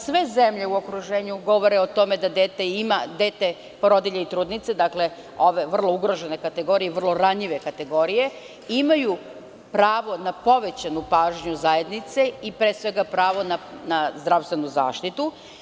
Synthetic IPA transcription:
sʋe̞zemʎe̞uo̞kɾuʒeːɲuɡo̞ʋo̞ɾeot̪o̞me̞d̪ad̪eːt̪eimad̪eːt̪e | poɾod̪iʎeit̪ɾuːd̪nit̪se̞d̪akle̞ | o̞ʋe̞ʋr̩lˠo̞uɡɾo̞ʒe̞ne̞kat̪e̞ɡo̞ːɾijeʋr̩lˠo̞ɾaɲiʋe̞kat̪e̞ɡo̞ɾije̞ | imaju | pɾaːʋo̞napo̞ʋe̞t͡ɕanupaːʒɲuzaje̞d̪nit̪se̞ipɾesʋe̞ɡapɾaːʋo̞nanazd̪ɾaʋst̪ʋe̞nuza̰ːʃt̪it̪u

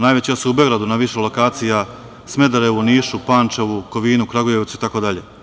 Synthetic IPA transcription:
naːjʋet͡ɕasuuboɡɾad̪unaʋiʃelo̞kaːt̪sija | smed̪aɾeuniːʃupaːnt͡ʃeʋukoʋiːnukɾaɡojeʋt̪suit̪akod̪aʎe

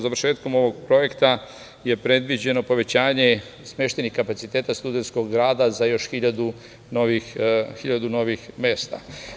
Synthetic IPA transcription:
zaʋɾ̩ʃeːt̪ko̞mo̞ʋo̞ɡ̚pɾo̞je̞kt̪a | je̞pɾe̞d̪ʋid͡ʑe̞no̞po̞ʋe̞t͡ɕaːɲe̞ | smje̞ʃt̪e̞nixkapat̪sit̪e̞ːt̪ast̪ud̪ent̪sko̞ɡɡɾaːd̪azajo̞ʃxiʎad̪u | noʋixxiʎad̪uno̞ʋixme̞st̪a̰

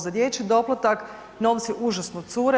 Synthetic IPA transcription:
zad̪jet͡ʃid̪o̞plˠat̪ak | no̞ːʋt̪sjiʔuʒasnot̪suːɾe

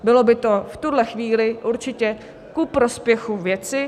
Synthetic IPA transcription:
bɪlo̞bɪt̪o̞ft̪udlɛxviːlɪʔuɾt͡ʃɪcɛ | kupɾo̞spjɛxuvjɛt͡sɪ

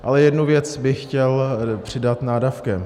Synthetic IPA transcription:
ʔalɛjɛdnuvjɛt͡sbɪxcɛlpr̝̥ɪdat̪naːdafkɛm

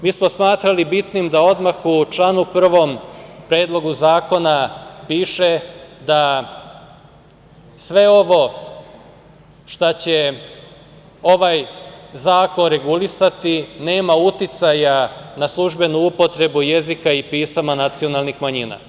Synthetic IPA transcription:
miːsmo̞smaːt̪ɾalibit̪nimd̪ao̞d̪maxut͡ʃlanupr̩ʋo̞mpɾe̞ːd̪lˠo̞ɡuzaːko̞napiːʃed̪a | sʋe̞o̞ʋo̞ | ʃt̪at͡ɕe̞ | o̞ʋajzaːko̞nɾe̞ɡulisat̪ine̞ːmaut̪it̪sajanaslˠuʒbe̞nuupo̞t̪ɾe̞buje̞zikaipiːsamanat̪sio̞nalˠnixmaɲiːna̰

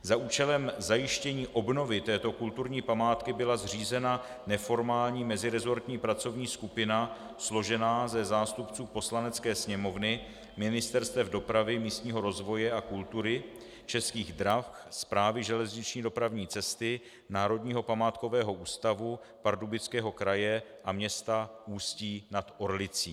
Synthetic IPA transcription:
zaʔuːt͡ʃɛlɛmzajɪʃcɛɲiːʔobno̞vɪt̪ɛːt̪o̞kult̪uɾɲiːpamaːt̪kɪbɪlazr̝iːzɛna | nɛfo̞ɾmaːlɲiːmɛzɪɾɛzo̞ɾt̪ɲiːpɾat͡so̞vɲiːskupɪna | slo̞ʒɛnaːzɛzaːst̪upt͡suːpo̞slanɛt͡skɛːsɲɛmo̞vnɪ | mɪnɪst̪ɛɾst̪vɛvdo̞pɾavɪmiːst̪ɲiːɦo̞ɾo̞zvo̞jɛʔakult̪uɾɪ | t͡ʃɛskiːɣd̪ɾafspɾaːvɪʒɛlɛzɲɪt͡ʃɲiːdo̞pɾavɲiːt͡sɛst̪ɪ | naːɾo̞dɲiːɦo̞pamaːt̪ko̞vɛːɦo̞ʔuːst̪avu | paɾdubɪt͡skɛːɦo̞kɾajɛʔamɲɛst̪auːsciːnat̪ʔo̞ɾlɪt͡siː

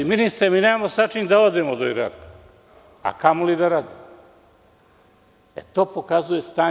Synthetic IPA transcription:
iminist̪ɾemineːmamosat͡ʃind̪aod̪emod̪ojɾa̰t̪ | a̰kamolid̪aɾaːd̪im | ḛt̪o̞ːpokazujest̪aː

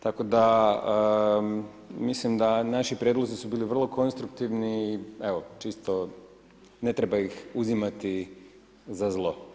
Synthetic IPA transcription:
t̪ako̞d̪aə | mislimd̪anaʃipɾjed̪lˠo̞zisubiːliʋr̩lˠo̞ko̞nst̪ɾukt̪iʋniːeʋot͡ʃist̪o | ne̞t̪ɾebaixuzimat̪i | zazlˠo̞

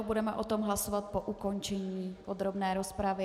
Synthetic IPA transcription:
budɛmɛʔot̪omɦlasovat̪̚poʔuko̞nt͡ʃɛɲiːod̪ɾo̞bnɛːɾospɾavɪ

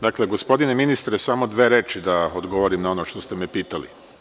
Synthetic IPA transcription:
d̪akle̞ɡo̞spo̞d̪ineminist̪ɾesamo̞d̪ʋeːɾeːt͡ʃid̪aod̪ɡoʋo̞ɾimnao̞noʃt̪o̞st̪e̞mepiːt̪alḭ

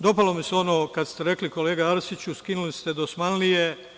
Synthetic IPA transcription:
d̪o̞palomiseo̞noːkad̪st̪eɾe̞kliko̞leːɡaaɾsit͡ɕuskinulist̪e̞d̪osmanlije

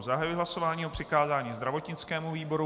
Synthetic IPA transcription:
zaɦajujɪɦlaso̞vaːɲiːopr̝̥ɪkaːzaːɲiːzd̪ɾavo̞t̪ɲɪt͡skɛːmuviːbo̞ɾu

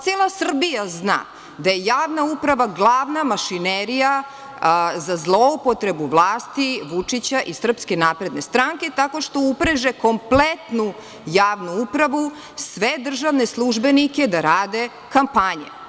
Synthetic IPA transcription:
t̪seːlˠasr̩bijazna̰ː | d̪ajejaːʋnaupɾaʋaɡlˠaːʋnamaʃineɾija | zazlˠoupo̞t̪ɾebuʋlˠaːst̪iʋut͡ʂit͡ɕaʔisr̩pskenaːpɾe̞d̪ne̞st̪ɾaŋke̞t̪ako̞ʃt̪o̞upɾeʒeko̞mplet̪nu | jaːʋnuupɾaʋu | sʋed̪r̩ʒaʋne̞slˠuʒbenike̞d̪aɾaːd̪e̞ | kampaɲḛ

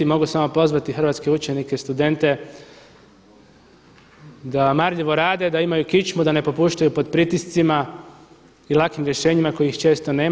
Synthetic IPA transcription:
imo̞ɡusamo̞po̞zʋat̪ixr̩ʋat̪ske̞ut͡ʃe̞nikest̪ud̪e̞nt̪e̞ | d̪amaɾʎiʋo̞ɾaːd̪ed̪aimajukit͡ʃmud̪ane̞po̞puːʃt̪ajupo̞d̪pɾit̪ist̪sima | ilˠakimɾje̞ʃe̞ːɲimako̞jixt͡ʃe̞ːst̪o̞neː

